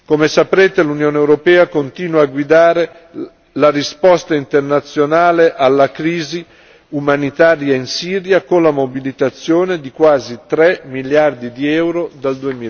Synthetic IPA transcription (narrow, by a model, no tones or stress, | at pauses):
komesapɾeːt̪elunjoːneewɾopɛːakont̪iːnwaːɡwid̪aːɾe | larispɔst̪aint̪ernat̪sːjonaːleʔalːakɾiːzi | umanit̪aːɾjainsiːɾjakonlamobilit̪at̪sːjoːned̪ikwaːzit̪ɾɛmiljard̪id̪iɛwɾod̪ald̪uemiː